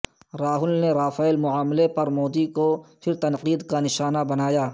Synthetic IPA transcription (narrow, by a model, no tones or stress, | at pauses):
ɾaːɦʊlneɾaːfaːɪlmʊaːmlepɐɾmoːd̪ikopʰɪɾt̪ɐnqiːd̪kanɪʃaːnabɐnaːjaː